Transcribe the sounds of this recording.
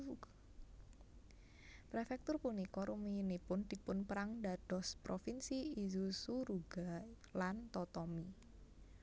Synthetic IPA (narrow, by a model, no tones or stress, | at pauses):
pɾefɛk̚t̪ʊrpunikɔɾʔumiinipʊnd̪̥i̤pʊnpəɾaŋdad̥ɔ̤spɾofinsiːzusuɾuɡ̥a | lant̪ɔt̪ɔmi